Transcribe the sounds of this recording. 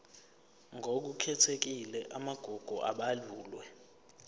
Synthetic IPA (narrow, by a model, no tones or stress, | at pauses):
ŋʱok̬ukʰɛtʰek̬ilɛʔamaɡ̥ʱɔɡ̥ʱɔʔaɓaluːlwɛ